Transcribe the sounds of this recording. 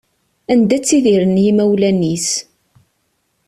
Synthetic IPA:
ænd̪æt͡sːiðiɾənːjimæwlænːis

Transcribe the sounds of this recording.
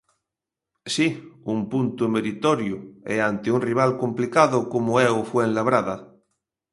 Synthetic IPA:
siumpunt̪umeɾit̪oɾjueant̪eunriβ̞alkomplikaðokomoeofwenlaβ̞ɾaða

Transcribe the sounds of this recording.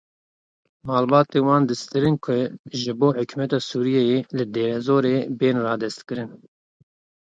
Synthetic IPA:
mɑːlbɑːt̪eːwɑːnd̪ɨst̪ɨɾɨnkʰʊʒɨboːħʊkʰumɛt̪ɑːsuːɾijɛjeːlɨd̪eːɾɛzoːɾeːbeːnrɑːd̪ɛst̪kɨɾɨn

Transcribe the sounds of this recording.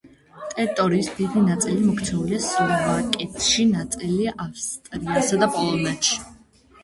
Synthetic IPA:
t̪ʼɛɾt̪ʼɔɾiːsd̪id̪inat̪sʼilimɔkʰt̪sʰɛuliasuɾvakʼɛt̪ʰʼʃinat̪sʼiliʔafst̪ʼɾiasad̪apʼɔlˠɔnɛt̪ʃi̥

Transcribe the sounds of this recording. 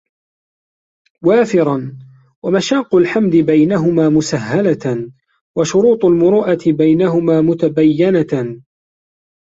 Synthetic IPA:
waːfɪɾˤɑn | wamaʃaːqːʊlħamd̪ɪbajnaɦʊmaːmʊsaɦːala | waʃʊɾuːt̪ˤalmʊɾuːʔat̪ɪbajnaɦʊmaːmʊt̪abajːɪna

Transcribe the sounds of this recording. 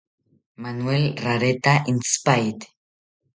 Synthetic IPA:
manuelraɾet̪aʔinspajt̪

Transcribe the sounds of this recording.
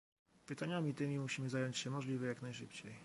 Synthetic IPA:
pɘt̪aɲamʲit̪ɘmʲimuɕimɘzajɔɲt͡ɕɕɛmɔʐlʲivɘjaknajʂɘpt͡ɕej

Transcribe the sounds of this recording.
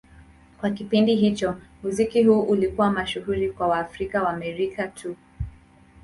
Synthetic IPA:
kwakipindiɦit͡ʃɔmuzikiɦuːʔulikuwamaʃuhuɾikwawaːfɾikawaːmɛɾikʰatʰu

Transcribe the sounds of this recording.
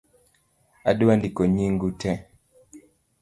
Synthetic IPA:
aduwandikoɲiŋɡutʰɛ

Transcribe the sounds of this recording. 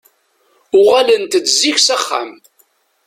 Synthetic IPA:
ʊʁalənt̪ət͡sziçsæχːa̰m

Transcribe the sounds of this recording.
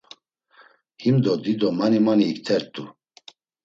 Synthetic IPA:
himd̪ɔd̪id̪ɔmanimaniːkt̪ʰɛɾt̪ʼu

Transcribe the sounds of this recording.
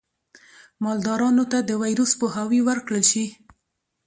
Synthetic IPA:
mɑld̪ɑɾɑnot̪ad̪əwajɾospohɑwiwəɾkɽəlʃi

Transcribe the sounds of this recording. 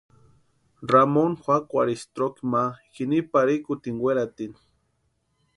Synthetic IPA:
ramonxʷakʷaɾist̪ɾokimakinipaɾikut̪iŋɡweɾat̪in

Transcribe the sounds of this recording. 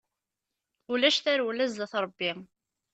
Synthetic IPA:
ulæʃθæɾulæzðæθɾˤəbːi

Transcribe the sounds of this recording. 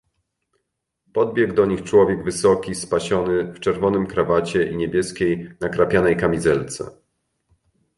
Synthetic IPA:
pɔd̪̚bʲjɛɡd̪ɔɲixt͡ʂwɔvʲjɛɡvɘsɔkʲispaɕɔnɘft͡ʂɛɾvɔnɘmkɾavat͡ɕɛʔiɲebʲjɛskʲejnakɾapʲjanɛjkamʲizɛlt̪sɛ̰

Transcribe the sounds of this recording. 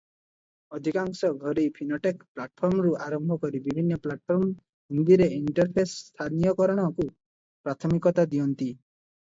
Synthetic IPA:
ɔd̪ʱikaŋsɔɡʱɔɾejpʰinɔʈekplaʈ̚pʰɔɾmɔɾuaɾɔmbʱɔkɔɾibibʱinːɔplaʈ̚pʰɔɾm | ɦund̪iɾeiɳʈɔɾpʰesst̪ʰanijɔkɔɾɔɽ̃ɔku | pɾat̪ʰɔmikɔt̪ad̪iɔnt̪i

